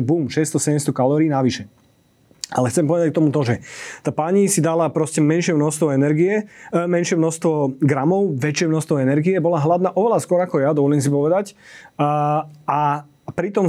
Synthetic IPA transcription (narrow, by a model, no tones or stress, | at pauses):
buːmʃɛst̪ɔsɛɟɛmst̪ɔkalɔːɾiːnaʋiʃɛ | a̰lɛxt͡sɛmpɔʋɛd̪ac̚kt̪ɔmut̪ɔʒɛt̪aːpaɲisid̪alapɾɔscɛmɛnʃɪɛmnɔst̪ʋɔɛnɛɾɡiɛmɛnʃɪɛmnɔst̪ʋɔɡɾamɔʊʋɛt͡ʃɪɛmnɔxst̪ʋɔɛnɛɾɡiɛbɔlaɦlad̪naːʔɔʋɛlaskʊɔɾakɔjad̪ɔʋɔlɪɛms̬ipɔʋɛd̪acː | a | pɾit̪ɔm